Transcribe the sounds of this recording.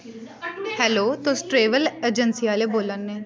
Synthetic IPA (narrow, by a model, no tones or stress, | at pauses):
hɛːloːt̪õːsʈɾeːʋəleːd͡ʒənsiaːleːboːlənːeː